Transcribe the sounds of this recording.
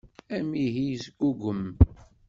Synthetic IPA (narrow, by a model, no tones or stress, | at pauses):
æmiɦijzɡuɡʷəm